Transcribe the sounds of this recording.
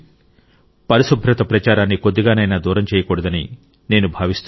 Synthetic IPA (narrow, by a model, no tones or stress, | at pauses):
pɐɾisubʱɾɐt̪ɐpɾɐt͡ʃaːɾaːnːiko̞d̪ːiɡaːnɐjnaːd̪uːɾɐmt͡ʃɛːjɐkɔːɽɐd̪ɐni | ne̞ːnubʱaːʋist̪u